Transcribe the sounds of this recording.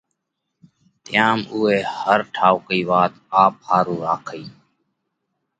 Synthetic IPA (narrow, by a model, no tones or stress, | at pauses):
t̪ɪjaːmuːeːhəɾʈʰaːʊkiːʋaːt̪aːp̚haːɾuːɾaːkʰiː